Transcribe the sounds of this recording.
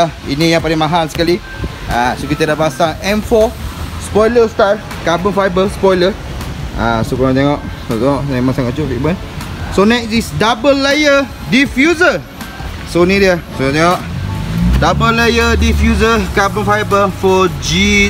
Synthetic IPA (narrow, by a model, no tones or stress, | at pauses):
aḭnijãŋpalɪŋmãɦalsə̥kali | asokit̪ədapasaŋɛ̃nfɔspɔjləst̪aɹ | kabənfajbəspɔjlə | a̰sokɾɔ̃t̪̬eŋɔʔsot̪eŋɔʔɛmasaŋɔt͡ʃoʔfiʔbən | sonɛk̚sisdabəlːejə | difjuzə | sonĩdiəsukɔ̃t̪eŋɔʔ | dabəlajədifjuzəkabənfajbəfɔd͡ʒi